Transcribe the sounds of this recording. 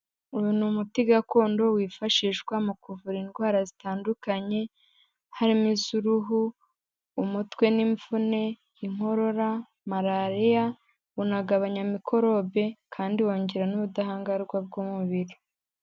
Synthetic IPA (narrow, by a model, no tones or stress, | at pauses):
uunumutiɡako̞ːndo̞wiːfaʃiːʃɡwamukuvuɾinɡwaːɾazitaːndukaɲe̞ | haɾimizuɾuɦuː | mutwe̞niɱfune̞ | iŋo̞ɾo̞ɾa | maɾaɾija | unaɡaβaɲamikʰo̞ɾo̞βe̞kʰaːndiwo̞ːɲɟe̞ɾanuβudaɦaːŋɡaɾɡwab̚ɡuːmuβiɾi